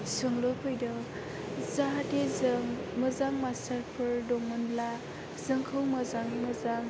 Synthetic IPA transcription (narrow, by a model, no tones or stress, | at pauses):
sɯŋlopʰɯjdɔ | zaɦadezŋmɯzaŋmasaɾpʰɯɾdɔŋɯnla | z̥ɯŋkʰɯwmɐzaŋmɯzaŋ